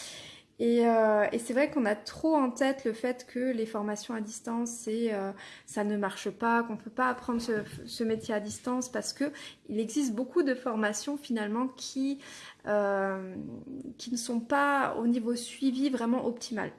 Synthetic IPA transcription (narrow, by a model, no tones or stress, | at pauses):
eøesɛvʁɛkɔ̃nat̪χoɑ̃t̪ɛt̪ləfɛt̪kʰəlefɔʁmasjɔ̃ad̪ist̪ɑ̃seøsanəmaʁʃəpakɔ̃pøpaːpχɑ̃d̪ʁsəsəmet̪jead̪ist̪ɑ̃spaʁsə̥kə | ilɛɡzist̪̚bokʰud̪əfɔʁmasjɔ̃finalmɑ̃kʲʰi | ø | kʲinəsɔ̃pao̰nivosɥivivʁɛmɑ̃ʔɔpt̪ʰima̰l